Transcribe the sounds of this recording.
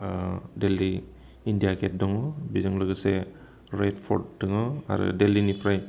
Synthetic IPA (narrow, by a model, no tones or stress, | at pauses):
deliː | ndijaket̚dɔŋɔbizɯŋlɯɡɯse | ɾetpʰɔ̰ɾdːɯŋɯa̰ɾɯ̰delinipʰɾaj